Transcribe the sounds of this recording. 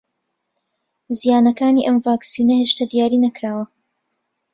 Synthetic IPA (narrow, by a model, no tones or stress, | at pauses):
zijaːnɐkaːniːʔɐmvaːksiːnɐheːʃt̪ɐd̪ijaːɾiːnɐkɾaːwɐ